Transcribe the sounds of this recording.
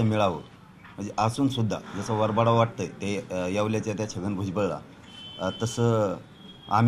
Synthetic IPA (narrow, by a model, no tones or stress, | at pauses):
əmiɭaʋə̰ | m̤əɳd͡zeʔasuːnsud̪ʱːa̰d͡zəsaʋəɾbaɽaʋaʈ̚t̪əjt̪ejaʋljat͡ɕjat̪jat͡ɕʰəɡənbʱud͡zbəɭɭa̰ | t̪əsə | a̰m